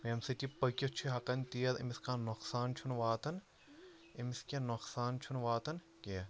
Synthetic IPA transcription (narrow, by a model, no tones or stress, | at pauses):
memsiʈipɐkʲot͡ʃʰiɦɐqɐnʲt̪iːɐɾḭmiskaːnoksaːnt͡ʃʰunʋaːt̪ɐn | imiskʲenoksaːnt͡ʃʰunʋaːt̪ɐn | keɐ